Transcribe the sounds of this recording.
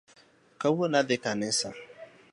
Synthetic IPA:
kawonadekanesa

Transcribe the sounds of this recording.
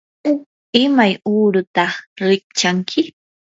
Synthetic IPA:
ɪmajuːɾʊt̪ɑɾɪk̚t͡ʃaŋkʰɪ

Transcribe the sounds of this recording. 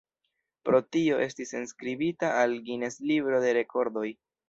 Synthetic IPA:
pɾo̞tio̞ʔe̞stisenskɾibitaʔalɡine̞slibɾo̞de̞ɾe̞ko̞ɾdo̞j

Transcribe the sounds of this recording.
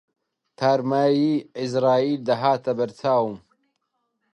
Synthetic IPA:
t̪ʰaːɾmaːjiːɪzɾaːiːld̪ɐɦaːt̪ɐbɐɾt̪ʰaːwum

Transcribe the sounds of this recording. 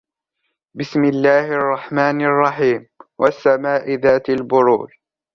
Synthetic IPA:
bɪsmɪlːaːhʔɑrˤːɑħmaːnɑrˤːɑħiːmwʔa̰sːamaːʔɪðaːt̪albʊɾṵːl

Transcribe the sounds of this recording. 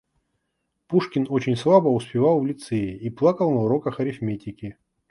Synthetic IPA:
puʂkʲɪnot͡ɕɪnʲslˠabəʊspʲɪvalˠvlʲɪt̪sejɪiplˠakəlˠnɐʊɾokəxɐɾʲɪfmʲetʲɪkʲɪ

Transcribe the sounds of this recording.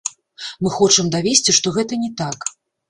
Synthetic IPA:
mɨxɔt͡ʂɐmd̪avʲesʲt͡sʲiʂt̪ɔɣɛt̪ɐnʲɛt̪ak

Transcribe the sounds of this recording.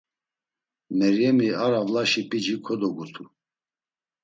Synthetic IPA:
mɛɾjɛmiaɾavlaʃipʼid͡ʒikʰɔd̪ɔɡut̪ʰu

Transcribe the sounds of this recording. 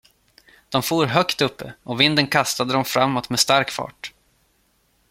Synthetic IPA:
d̪̥ɔmfuːɾɦœkt̪ɵpːəʔɔvɪnd̪ənkʰast̪ad̪əd̪ɔmfɾamːɔt̪mɛst̪aɾkfɑ̰ːʈ

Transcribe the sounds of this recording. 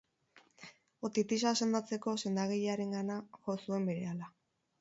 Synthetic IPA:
ot̪it̪is̬ase̞nd̪at͡se̞ko̞se̞nd̪aɣeʎeaɾe̞ŋɡanaʝo̞sue̞mbe̞ɾe̞ala

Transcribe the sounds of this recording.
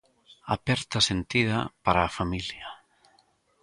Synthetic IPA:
apɛɾt̪asent̪ið̞a̰paɾaːfamilja

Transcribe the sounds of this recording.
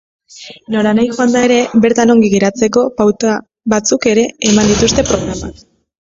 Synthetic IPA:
no̞ɾanajxoand̪ae̞ɾe̞be̞ɾt̪ano̞ŋɡiɣeɾat͡se̞ko̞awt̪a | βat͡suke̞ɾe̞ːmand̪it̪ust̪e̞pɾo̞ɣ̞ɾamak

